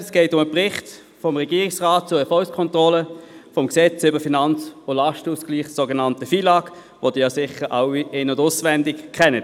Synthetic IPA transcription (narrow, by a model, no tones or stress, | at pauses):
sɡ̥ɛɪtʊməpʁɪχt | fɔmʁɛɡ̥iːʁɪksʁaːt̚t͡sʊəfɔlskʰɔntʁɔləfɔmksɛt͡sʏbəfinɑnt͡sʊlɑʃtuːskliːχsoɡənɑntəfiːlɑːɡ | vod̥iːjɑsɪχəʁʔaʊiɪnʊdʊsvɛndɪkkʰχɛnət